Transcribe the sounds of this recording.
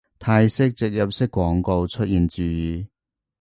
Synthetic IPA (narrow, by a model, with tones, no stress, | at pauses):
t̪ʰaː˧jsɪ˥k̚t͡sɪ˨k̚jɐ˨p̚sɪ˥kːwɔː˨˥ŋko˧wt͡ʃʰɵ˥t̚jiː˨nt͡syː˨jiː˨˩